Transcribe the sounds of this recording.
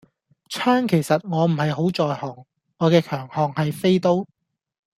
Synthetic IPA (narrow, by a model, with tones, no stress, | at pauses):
t͡sʰaː˥ŋkʰe˨˩jsɐ˨t̚ŋɔː˨˧m̩˨˩hɐ˨jɦo˨˥wt͡sɔː˨jhɔː˨˩ŋː | ɔː˨˧kɛː˧kʰœː˨˩ŋhɔː˨ŋhɐ˨jfe˥jt̪o˥w